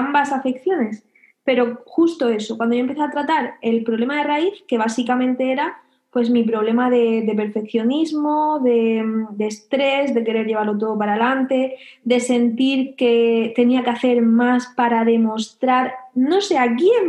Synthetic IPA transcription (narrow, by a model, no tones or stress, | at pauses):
ambasafe̞kθjo̞ne̞s | pe̞ɾo̞xust̪o̞e̞so̞kwand̪ojompe̞θeat̪ɾat̪aɾe̞lpɾo̞βle̞maðe̞raiθke̞β̞asikamẽ̞nt̪e̞e̞ɾa | pwe̞zmip̬ɾo̞β̞le̞maðe̞de̞p̬e̞ɾfe̞kθjo̞nizmo̞ðe̞d̪e̞ːst̪ɾe̞zðe̞ke̞ɾe̞ɾʝe̞βaɾlo̞t̪̬o̞ð̞o̞p̬aɾalant̪e̞ | d̪e̞se̞nt̪iɾke̞t̪e̞niakeaθe̞ɾmaspaɾaðe̞mo̞st̪ɾaɾno̞se̞ak̬jen